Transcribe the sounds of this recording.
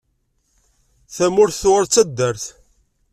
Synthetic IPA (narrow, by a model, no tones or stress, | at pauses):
θæmʊɾθθʊʁəɾt͡sːæd̪ːæɾθ